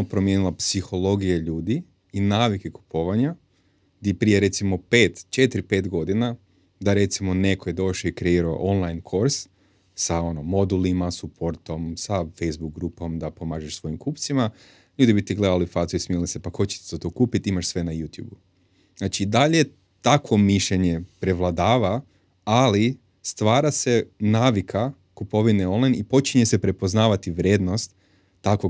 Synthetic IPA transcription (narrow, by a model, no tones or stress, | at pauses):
opɾomjenilˠapsixo̞lˠo̞ɡijaʎuːd̪iː | naːʋike̞ku̥pʰo̞ʋaɲa | ɡd̪iepɾijeɾe̞t̪simo̞pe̞ːt̪t͡ʃe̞t̪ɾipe̞ːt̪ɡo̞d̪ina | d̪aɾe̞t̪simo̞ne̞kʰoje̞d̪o̞ʃoikɾeiːɾao̰ʔonlˠajnkʰo̞ɾs | sao̞nomo̞d̪ulimasupʰo̞ɾt̪o̞msafejzbuk̚ɡɾupomd̪apo̞maːʒeʃsʋo̞jimkuːpt̪sima | ʎuːd̪ibit̪iɡle̞d̪alifazuismilisepaxo̞t͡ɕe̥t̪z̥et̪okuːpit̪imaʃsʋe̞najut̪jṵːbu | znaːt͡ʃid̪aʎe̞ | t̪akʋo̞miʃʎe̞ɲe̞pɾe̞ʋlˠad̪aːʋa | ali | st̪ʋaːɾase̞naːʋikʰa | kupo̞ʋineo̞nlˠajnipo̞t͡ʃiɲese̞pɾe̞po̞znaːʋat̪iʋɾʲjeːd̪no̞st̪ː | ako